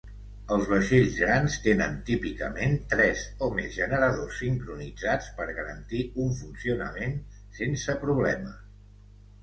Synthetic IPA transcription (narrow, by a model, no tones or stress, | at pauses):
əlˠzβəʃeʎzɣɾanst̪enənt̪ipikə̰ment̪ɾɛzomezʒənəɾəðosːiŋkɾunid͡zat͡spəɾɣəɾə̰nt̪iuɱfunsiunə̰men | sensəpɾuβ̞lɛmə